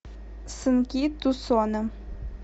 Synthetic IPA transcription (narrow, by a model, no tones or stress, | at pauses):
sɨnkʲit̪usɔnə